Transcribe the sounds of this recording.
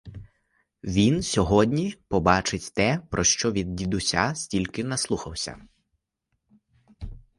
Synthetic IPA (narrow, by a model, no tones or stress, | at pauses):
ʋʲinsʲɔɦɔdʲnʲipɔbɑt͡ʃɪtʲt̪ɛpɾʔɔʃt͡ʃɔʋʲid̪̚ːʲid̪ʊsʲa̰sʲtʲilʲkɪnɐslˠuxɐwsʲɐ̰